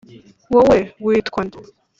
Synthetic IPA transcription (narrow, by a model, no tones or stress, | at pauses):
wowewiːtkʷwan